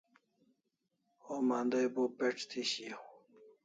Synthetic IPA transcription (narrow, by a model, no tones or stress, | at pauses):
oːmaːnd̪ajbopeʈ͡ʂt̪ʰiɕi